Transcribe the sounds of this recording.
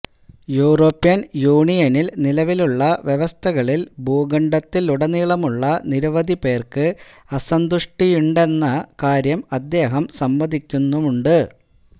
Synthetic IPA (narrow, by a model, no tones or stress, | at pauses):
juːro̞ːpːjɐnjuːɳijɐnilnilɐʋiluɭːɐʋjeʋɐst̪ʰɐɣɐɭilbʱuːɡɐɳɖɐt̪ːiluɽɐniːɭɐmuɭːɐniɾɐʋɐd̪ʱipe̞ːrkɨ | ɐsɐnd̪uʂʈijuɳɖe̞nːɐkaːɾjɐmɐd̪ːe̞ːɦɐmsɐmbɐd̪ʱikʲːunːumuɳɖɨ